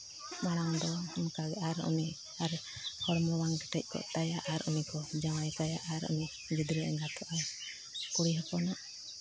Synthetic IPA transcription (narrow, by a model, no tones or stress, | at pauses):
maɽ̃aŋd̪ɔmkaɡɛaɾṵni | aɾ | kɔɽmɾɔwaŋkɛ̥ʈɛc̚ˀkɔ̰t̪ajaʔaɾunikɔd͡ʒawajk̪ajaʔaɾṵni | d͡ʒid̪ɾɛɛŋɡat̪ʰɔʔaj | kuɽiɦɔpɔnaʔ